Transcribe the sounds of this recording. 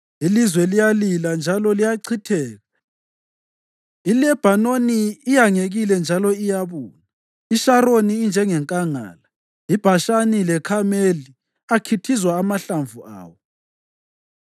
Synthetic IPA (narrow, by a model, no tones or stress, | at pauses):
ilizwɛlijaliland͡ʒʱalɔlijaǀʰitʰɛːɣa | ilɛb̥ʱanoniːjaŋeɣilɛnd͡ʒʱalɔijaβuːna | iʃaɾoniːnd͡ʒʱɛŋɛŋkʼaŋa̰ːla | ib̥ʱaʃanilɛkʰameli | akʰitʰizwaːmaɬaɱvua̰ːwɔ